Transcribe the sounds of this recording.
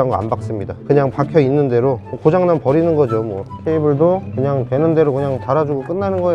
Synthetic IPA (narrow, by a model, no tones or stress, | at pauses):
aŋɡoa̰nbak̚s͈ɯmɲidakɯɲaŋpakʰjʌinːɯnde̞ɾomokod͡ʑaŋnampʌɾinɯnɡʌd͡ʑomwʌkʰeibɯɭdokɯɲaŋtwe̞nɯnde̞ɾokɯɲaŋtaɾad͡ʑuɡok͈ɯnːanɯnɡʌe